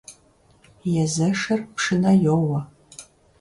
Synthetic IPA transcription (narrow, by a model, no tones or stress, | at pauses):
jɛzɐʂɐrpʂɨnɐjowɐ